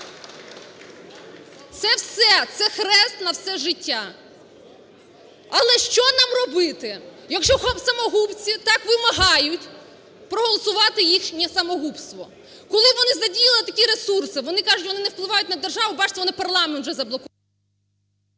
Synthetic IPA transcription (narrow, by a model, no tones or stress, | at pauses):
t̪sɛwsɛt̪sɛxɾɛst̪nɐwsɛʒɪtʲːa | ɐlˠɛʃt͡ʃɔnɑmrɔbɪt̪ɪ | jɐkʃt͡ʃɔxɔsɐmɔɦupt͡sʲit̪ɑkʋɪmɐɦɑjʊtʲ | pɾɔɦɔlˠɔsʊʋɑt̪ɪjixʃnʲɛsɐmɔɦupst̪ʋɔ̰ | kɔlˠɪʋɔnɪzɐdʲijillˠɪt̪ɐkʲiɾe̞sursɪʋɔnɪkɑʐʊtʲʋɔnɪnɛwplˠɪʋɑjʊtʲnɐd̪erʒɑʋʊbɑt͡ʃɪ̥t̪ɛʋɔnɪpɐrlˠɑment̪ʒɛzɐblˠɔkʊ